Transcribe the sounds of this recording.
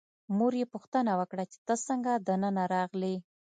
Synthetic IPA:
muɾjepuxt̪ənawəkɽat͡ʃe̥t̪əsəŋɡad̪ənənaɾɑɣli

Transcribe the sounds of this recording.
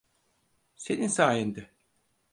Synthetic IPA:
seninsaːjend̪ɛ

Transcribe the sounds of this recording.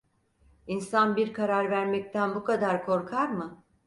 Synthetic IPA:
insanbiɾkʰaɾaɾvæɾmɛc̚t̪ʰænbukʰad̪aɾkʰo̞ɾkʰaɾmɯ

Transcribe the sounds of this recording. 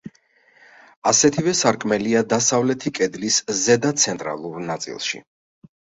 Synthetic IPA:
asɛt̪ʰivɛsaɾkʼmɛliad̪asavlɛt̪ʰikʼɛd̪liszɛd̪at̪sʰɛnt̪ʼɾa̰lˠuɾnat̪sʼḭlˠʃḭ

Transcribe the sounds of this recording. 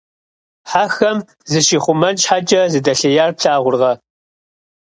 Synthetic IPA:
ħaːxɐm | zɨʃiːχʷʊmɐnʃħat͡ʃʼɐzɨdɐɬɐjaːrpɬaːʁʷʊrʁɐ

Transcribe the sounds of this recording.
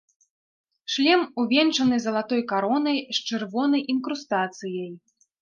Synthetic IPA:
ʂlʲɛmuvʲɛnt͡ʂɐnɨzɐlˠat̪ɔjkaɾɔnɐjst͡ʂɨrvɔnɐjinkɾust̪at̪sɨjɐj

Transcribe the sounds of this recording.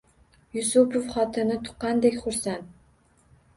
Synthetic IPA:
jusupʰofχɑt̪ʰɨnɪt̪ʰʊ̥qːɑnd̪ekʲχʊɾsænt̪

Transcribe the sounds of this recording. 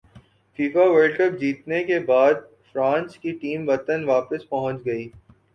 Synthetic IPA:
fiːfaʋəːɭɖkɐp̚d͡ʒiːt̪nekebaːd̪̚ | fɾãːnskiʈiːmʋɐt̪ənʋaːpəspɐɦə̃t͡ʃɡɐiː

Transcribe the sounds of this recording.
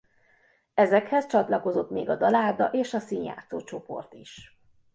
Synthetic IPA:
ɛzɛkhɛst͡ʃɒt̪lɒko̞zo̞t̪mḛːɡɒd̪ɒlaːd̪ɒʔeːʃɒsiːnja̰ːt̪soːt͡ʃo̞po̞̰rt̪iʃ

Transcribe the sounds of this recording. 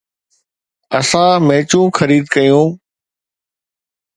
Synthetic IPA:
əsãːmeːt͡ɕũxəɾiːd̪kəjũː

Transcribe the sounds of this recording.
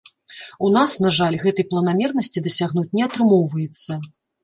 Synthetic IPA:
unasnaʐalʲɣɛt̪ɐjplˠɐnamʲɛrnɐsʲt͡sʲid̪ɐsʲaɣnut͡sʲnʲɛat̪ɾɨmɔwvɐjɛt̪sːɐ

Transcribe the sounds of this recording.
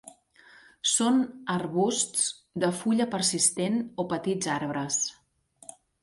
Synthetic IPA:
sonəɾβust̪t͡s | d̪əfuʎəpəɾsist̪enopət̪id͡zaɾβɾəs

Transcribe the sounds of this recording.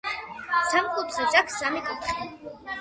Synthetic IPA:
samkʼut̪ʰzɛt͡ʃʼakʰsamikʼut̪ʰχi

